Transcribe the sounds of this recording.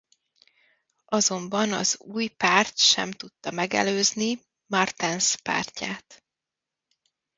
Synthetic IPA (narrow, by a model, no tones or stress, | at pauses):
ɒzo̞mbɒnɒ̰zuːjpaːrt̪ʃɛ̰mt̪ut̪ːɒmɛɡɛ̰løːzni | mɒrt̪ɛnspa̰ːrcaːt̪